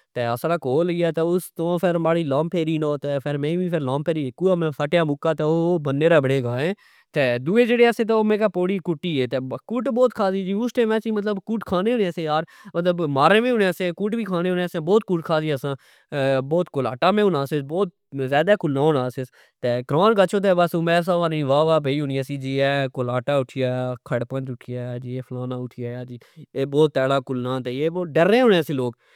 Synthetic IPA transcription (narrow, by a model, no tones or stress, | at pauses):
t̪eːəsɾaːkoːliaːt̪ɛːʊst̪õːpʰɪɾmaːɽiːlaːmpʰeːɾiːnoːt̪ɛːpʰɪɾmẽːbiːpʰɪɾlaːmpʰeːɾiːkuːaːmɛ̃ːsʰəʈjãːmʊkːaːt̪ɛːoːbəneːɾaːbɪɽẽːɡaːẽː | t̪eːd̪uːeːd͡ʒeːɽeːasẽːt̪̬ːoːmẽːkaːpoːɽiːkʊʈːiːeːt̪eːkʊʈboːt̪kʰaːziːd͡ʒiːʊsʈẽːmɛ̃ːt͡ʃĩːmət̪̬ləbkuʈkʰaːneːʊneəsẽjaːɾ | mət̪ləbmaːɾẽːmẽːʊnẽːsẽːkʊːʈbiːkʰaːnẽːʊnesẽːboːt̪̚kʊʈkʰaːd͡ʒiːəsãː | bɔːt̪kolaːʈaːmẽːʊnãːsɪsbɔːt̪̚ | zaːd̪aːkʊlnãːɦonãːsɪs | t̪eːɡɾaːnkət͡ʃʰoːt̪eːbasoːmɛ̃ːs̬aːʋaːnĩːʋaːʋaːbeiːɦʊniaːsiːd͡ʒiːɛːkolaːʈaːʊʈʰɪjaːkʰəɽpə̃nt͡ʃʊʈʰɪjaːd͡ʒieːpʰlaːnãːʊʈʰɪjaːjaːd͡ʒiː | eːbɔːt̪ːɛːɽaːkʊlnãːt̪eːeːboːɖəɾẽːɦʊnẽːsẽːloːk